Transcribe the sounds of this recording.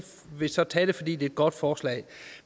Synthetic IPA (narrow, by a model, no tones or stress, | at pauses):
ʋe̝sɒ̽t͡sʰɛ̰ːɾ̥e̝fɒ̽d̥ḭːd̥e̝ed̥̚ɡ̥ɒ̽d̥fɒːslɛ̰ɪ